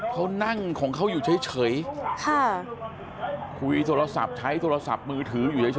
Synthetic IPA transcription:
kʰa˦˥wna˥˩ŋkʰɔː˩˦ŋkʰa˦˥wjuː˨˩t͡ɕʰa˦˥jt͡ɕʰɤː˩˦jkʰa˥˩ | kʰu˧jt̪ʰoː˧ɾa˧sa̰˨˩p̚t͡ɕʰa˦˥jt̪ʰoː˧ɾa˧sa̰˨˩p̚mɯː˧t̪ʰɯː˩˦juː˨˩t͡ɕʰa˧˥˩t͡ɕʰ

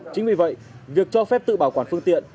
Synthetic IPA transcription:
t͡ɕï˨˦ŋ̟vi˨˩və̰˧˨jvi˨˩ək̚t͡ɕɔ˧fɛ˦˥p̚t̪ɨ̰˧˨ɓaː˨˩wkwaː˧˩nfɨ˧əŋt̪ḭ˧˨ən

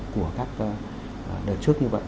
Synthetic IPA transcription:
ku˧˩əkaː˦˥k̚ː | ɗəː˨˩t̚t͡ɕɨ˦˥ək̚ɲɨ˧və̰˧˨

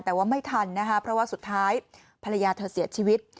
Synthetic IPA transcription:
t̪ɛː˨˩waː˥˩ma˥˩jt̪ʰa˧nːa˦˥kʰa˦˥pʰɾɔ˦˥waː˥˩su˨˩t̪ʰːaː˦˥j | pʰa˧ɾa˧jaː˧t̪ʰɤː˧˩siː˨˩˦ɐt͡ɕʰiː˧wi˦˥t̪̚

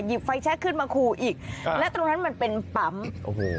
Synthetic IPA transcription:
ji˨˩p̚fa˧jt͡ɕʰɛ˦˥kʰɯː˥˩nmaː˧kʰuː˧ʔiː˨˩k̚lɛ˦˥ʔt̪ɾo˧ŋna˦˥nma˧npe˧npa˩˦mʔo˨˩kʰe˧

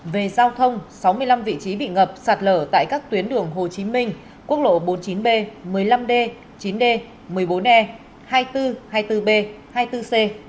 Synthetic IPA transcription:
ve˨˩zaː˧wt̪ʰə˧wŋ͡msa˨˦wmɨ˧əjla˧mvḭ˧˨t͡ɕi˨˦ɓḭ˧˨ŋə˨˩p̚saː˨˩t̚ləː˧˩t̪a̰ː˧˨jkaː˦˥k̚t̪wi˨˦ənɗɨ˨˩əŋɦo˨˩t͡ɕi˨˦mï˧ŋ̟ | ku˦˥ək̚lo̰˧˨ɓo˨˦nt͡ɕi˨˦nɓe˧mɨ˨˩əjla˧mɗe˧ | t͡ɕi˨˦nɗe˧ | mɨ˨˩əjɓo˨˦nʔɛ˧ | haː˧jt̪ɨ˧haː˧jt̪ɨ˧ɓe˧haː˧jt̪ɨ˧se˧

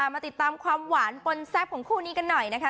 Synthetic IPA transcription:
aː˨˩maː˧t̪i˨˩t̪ːaː˧mkʰwaː˧mwaː˩˦npo˧nsɛː˦˥˩p̚ʰːo˨˩˦kʰuː˥˩niː˦˥ka˧nːɔ˨˩jna˦˥kʰa˦˥

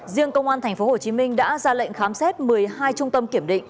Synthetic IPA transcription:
zi˧əŋkə˧wŋ͡mʔaː˧nt̪ʰjŋ̟fo˨˦ho˨˩t͡ɕi˨˦mï˧ŋ̟ɗa̰ː˧˥zaː˧lə̰˧˨ŋ̟xaː˨˦msɛ˦˥t̚mɨ˨˩əjɦaː˧jt͡ɕʊ˧ŋ͡mt̪ə˧mki˧˩əmɗḭ˧˨ŋ̟

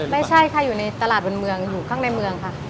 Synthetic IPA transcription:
ma˥˩jt͡ɕʰa˥˩jkʰa˧˥˩juː˨˩na˧jt̪a˧laː˨˩t̪̚bo˧nmɯ˧əŋjuː˨˩kʰaː˥˩ŋna˧jmɯ˧əŋkʰa˦˥˩ʔ

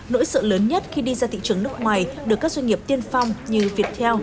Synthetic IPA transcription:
no̰˧˥jsɨ̰ː˧˨ləː˨˦nɲə˦˥t̚xi˧ɗi˧zaː˧t̪ʰḭ˧˨t͡ɕɨ˨˩əŋnɨ˦˥ək̚ŋwaː˨˩jɗɨ˨˩əkːaː˦˥k̚zwa˧ŋ̟ŋi˨˩əp̚t̪i˧ənfa˧wŋ͡mɲɨ˧vi˨˩ət̚t̪ʰɛ˧w

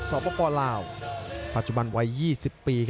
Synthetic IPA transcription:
sɔː˨˦pɔː˧pɔː˧laː˧wpa˨˩t̪̚t͡ɕu˨˩ba˧nwa˦˥jːiː˥˩si˨˩pːiː˧kʰ

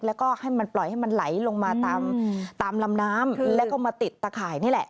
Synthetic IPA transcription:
k̚lɛː˦˥wkɔː˥˩ha˥˩jma˧nplɔ˨˩jha˥˩ma˧nla˩˦jlo˧ŋmaː˧t̪aː˧mt̪aː˧mla˧mnaː˦˥mlɛː˦˥kɔː˥˩maː˧t̪i˨˩t̪ːaː˧kʰaː˨˩jniː˥˩lɛ˨˩ʔ

